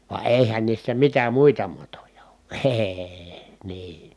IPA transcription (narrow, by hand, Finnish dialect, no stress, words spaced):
ʋɑ eˑihæn niːsːæ mitæ muitɑ mɑtojɑ o̥ː ee̥ː niː